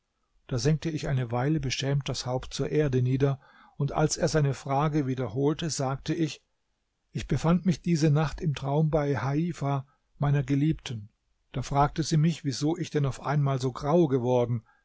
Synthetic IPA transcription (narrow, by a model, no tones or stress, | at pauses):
d̥aːzɛŋk̚təɪçʔaɪnəvaɪləbəʃɛːmt̚d̥ashaʊpt̚t͡suːɐʔeːɐdəniːdɐ | ʊntʔa̰lseːɐzaɪnəfʁ̥aːɡəviːdɐhoːltəzaːk̚təɪç | ʔɪçb̥əfantmɪçd̥iːzənaχtɪmtʁ̥aʊmbaɪhaiːfa | maɪnɐɡəliːp̚tʰn̩ | d̥aːfʁ̥aːk̚təziːmɪçv̥izoːʔɪçd̥ɛnaʊfʔa̰ɪnmaːlzoːɡʁaʊɡəvɔɐdn̩